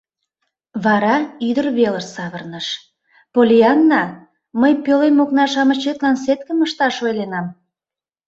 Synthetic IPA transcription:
βɑɾɑyd̪ərβelərsɑβərnəʃ | polʲiɑnːɑ | məjpølemoknɑʃɑmət͡ɕet̪lɑnset̪kəməʃt̪ɑʃojlenɑm

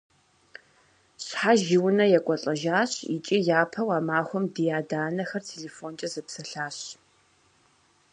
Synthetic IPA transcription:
ɕħaʒɪwʊnɐjɛkʷʼɔɬʼɐʒaːɕit͡ʃʼijaːpʰɐwaːmaːxʷɔmdijaːdaːnɐxɐrtʰeːleːfoːnt͡ʃʼɐzɨpsɐɬaːɕ

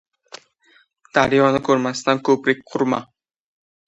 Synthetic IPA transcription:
d̪̥aɾjɒnɪkʰɵɾmast̪ankʰɵpɾɪk̚ʲqʰʊɾma

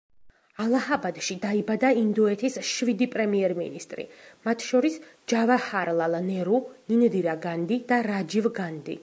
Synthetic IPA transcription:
alˠahabad̪ʃid̪aibad̪aind̪ɔɛt̪ʰisʃvid̪ipʼɾɛmiɛɾmḭnist̪ʼɾḭmat̪ʰʃɔɾisd͡ʒavahaɾlˠalˠnɛɾunind̪iɾaɡand̪id̪̥aɾad͡ʒivɡand̪ḭ

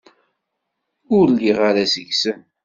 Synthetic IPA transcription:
ʊɾliʁaɾasəʝsən

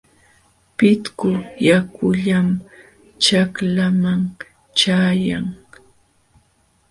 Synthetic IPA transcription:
pɪt̪kʊjakʊʎam | t͡ʃaklamaŋ | t͡ʃaːjaŋ

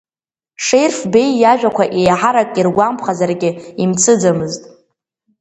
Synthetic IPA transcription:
ʂe̞jrfbe̞jːaʒᶣakʷaʔejħaɾakʼirɡʷampʰχazarɡʲɪimt͡sʰɨd͡zamɨztʼ

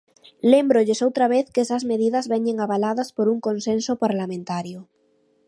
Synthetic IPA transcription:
lembɾoʎesowt̪ɾaβ̞eθkesɐzmeðiðɐzβeɲeŋaβalaðɐspoɾuŋkõnsẽnsopaɾlamẽnt̪aɾjo

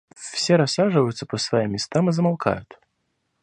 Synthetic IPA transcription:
fsʲeɾɐsːaʐɨvəjʊt̪səpəsvɐimʲːɪst̪amɨzəmalˠkʰa̰jʊt̪

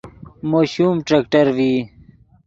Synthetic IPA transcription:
moːɕumʈɾɐkʈɐɾwi

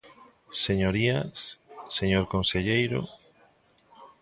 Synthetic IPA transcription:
seɲoɾiasseɲoɾkonseʎejɾo̰

